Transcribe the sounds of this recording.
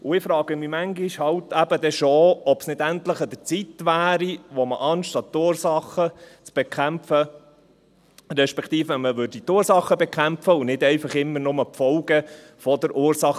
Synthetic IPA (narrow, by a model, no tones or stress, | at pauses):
ʊɪfɾɑːɡ̥əmimæŋɡiʃhɑwtæb̥əd̪ɛʃoɔbsnɪd̪ænt̪ləχəd̪ət͡sit̪ʋæːɾiʋɔməʔɑnʃtɑt̪ːuːɾsɑχət͡sb̥ɛkʰæmfə | ɾɛʃpɛkt̪iːfɛnməʋʏɾdit̪uːɾsɑχːəbɛkʰχæmpfəʊnɪdɛɪfɑχɪmːəɾnʊməpfɔʊɡə | fɔd̪əɾʔuːɾsɑχ